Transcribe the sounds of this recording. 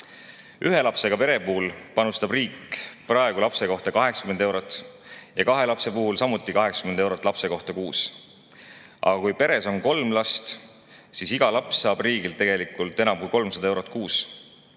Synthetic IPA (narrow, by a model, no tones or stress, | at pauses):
yɦe̞lɑpse̞ɡ̥ɑpe̞ɾe̞puːlpɑnust̪ɑbriːkːˑprɑeɡ̥ulɑpseko̞ht̪ɑkɑɦe̞kskymend̪e̞wɾot̪ːˑjɑkɑɦe̞lɑpse̞puɦulsɑmut̪ːˑikɑɦekskymene̞wɾot̪ːˑlɑpse̞ko̞ht̪ɑkuːs | ʔɑ̰ɡɑkujpe̞ɾe̞so̞nko̞lmlɑst̪ | sisiɡ̥ɑlɑpssɑːb̥riːɡilt̪ːe̞ɡ̥e̞likːˑult̪ːˑe̞nɑmkujko̞lmsɑd̪̥ɑewɾo̞t̪̚ːˑkuːs